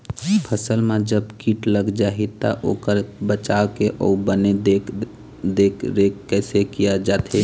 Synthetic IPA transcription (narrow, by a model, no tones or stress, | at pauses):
pʰəsəlmãd͡ʒəbkiʈləɡd͡ʒaɦit̪a̰ʔo̰ːkəɾbət͡ʃawkeʔɔ̰ubəned̪e | d̪ekʰɾekkːɛːsekijad͡ʒaːt̪ʰe